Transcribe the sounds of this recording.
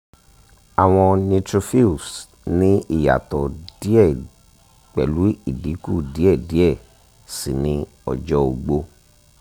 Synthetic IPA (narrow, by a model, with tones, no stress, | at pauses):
a˨w̃ɔ̃˧nĩ˧tɾo˧fi˦u˨s | nĩ˦i˦˨ja̰˨tɔ˨d̥i˦ɛ˦˨ | k͡pɛ˨lu˨˦i˦˨di˨˦ku˦˨di˨˦ɛ˦˨di˨˦ɛ˦˨ | si˨nĩ˧˦ | ɔ̰˨d͡ʒɔ˧˦o˨ɡ͡bo˧